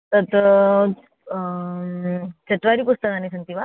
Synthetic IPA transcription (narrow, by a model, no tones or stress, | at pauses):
t̪ət̪ | t͡ɕet̪ʋaɾiːpust̪əkanisənt̪iʋa